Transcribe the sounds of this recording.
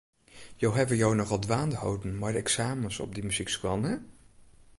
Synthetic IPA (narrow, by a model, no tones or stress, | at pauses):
jowɦɛbəjownɔχɑlˠdʋaːndəɦo̰wdənmaːɹdəɛksaːmənsɔ̰b̚dimyz̥ikskʋɑnɛ